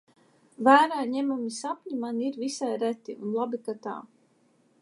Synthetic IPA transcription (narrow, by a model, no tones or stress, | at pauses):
væːɾaːɲɛmumisapʲɲumaniɾvisajɾæt̪iʔunlˠabikat̪a̰ː